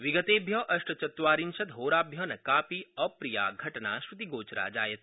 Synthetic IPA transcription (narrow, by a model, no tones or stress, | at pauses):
ʋiɡət̪eːbʱjɐʔɐʃʈɐt͡ʃɐt̪ʋaːɾinʃɐt̪ɦoːɾaːbʱjɐnɐkaːpiɐpɾija̰ːɡʱɐʈna̰ʃʋut̪iɡoːt͡ʃɾa̰ːd͡ʒaːjɐt̪